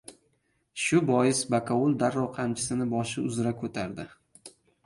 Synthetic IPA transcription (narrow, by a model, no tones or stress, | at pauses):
ʃʊbɒjɪsbakʰaulˠd̪aɾːɒwqʰamt͡ʃʰɪ̥sɪnɪbɒʃɪʊzɾakʰɵt̪ʰaɾd̪ɪ